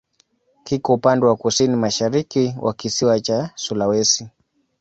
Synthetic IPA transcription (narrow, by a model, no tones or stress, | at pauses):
hikɔupandɛwakusinimaʃaɾikiwʔa̰kisiwat͡ʃasulawɛsi